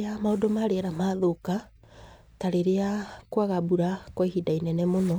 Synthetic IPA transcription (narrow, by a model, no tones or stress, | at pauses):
amaodɔmaɾeɾamaðoka | taɾeɾeakwaɣabuɾakwahidainɛnɛmonɔ